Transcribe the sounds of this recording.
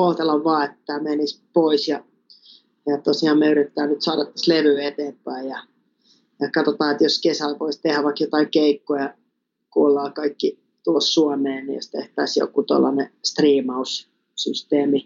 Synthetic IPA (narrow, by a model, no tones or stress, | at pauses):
olt̪elɑʋʋɑːet̪ːæmenispoisjɑ | jɑt̪osiɑːmmeyrit̪ːæːnyt̪soɑɾɑt̪ːæ̥sleʋyːet̪eːmpæijɑ | jɑkɑt̪ot̪ɑːet̪joskesælʋoist̪ehæʋʋɑksjot̪ɑiŋkeikːojɑ | kuolːɑːkɑikːi | t̪uossuɑmeːnnḭjo̰st̪ḛht̪æisjo̰kːut̪o̰lːɑ̰nest̪riːmɑus | syst̪eːmi